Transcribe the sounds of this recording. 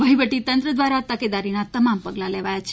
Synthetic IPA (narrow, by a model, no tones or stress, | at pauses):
bʱəiʋəʈit̪ənt̪ɾəd̪ʋaɾat̪əked̪aɾinat̪əmampəɡlaleʋajat͡ʃʰ